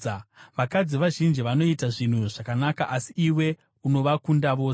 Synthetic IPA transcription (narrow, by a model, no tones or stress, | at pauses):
ʋakad͡ziʋaʒind͡ʒiʋano̞itaʐin̤uʐakanakaʔasiiwe̞ | uno̞ʋakundaʋo̞ː